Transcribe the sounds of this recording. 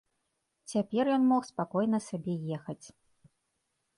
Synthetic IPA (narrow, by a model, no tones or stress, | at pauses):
t͡sʲapʲɛrjɔnmɔxspakɔjnɐsʲabʲɛjɛxɐt͡sʲ